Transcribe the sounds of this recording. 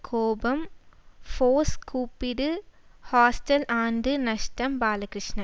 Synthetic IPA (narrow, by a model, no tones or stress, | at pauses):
kʰoːbɐmfoːskuːpːɪɾɯhaːsʈɐlaːɳɖɯnɐʂʈɐmbaːlɐkɾɪʂɳɐ